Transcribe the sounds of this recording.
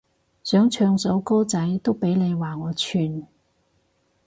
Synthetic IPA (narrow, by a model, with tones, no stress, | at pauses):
sœː˨˥ŋt͡ʃʰœː˧ŋso˨˥wko˥wt͡sɐ˨˥jt̪o˥wpe˨˥jne˨˧jwaː˨˩ŋɔː˨˧t͡ʃʰyː˧n